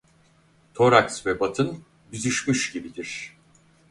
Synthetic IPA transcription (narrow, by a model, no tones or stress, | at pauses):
t̪ʰo̞ɾaksvɛbat̪ʰɯn | byzyʃmyʃɟibid̪iɾ̥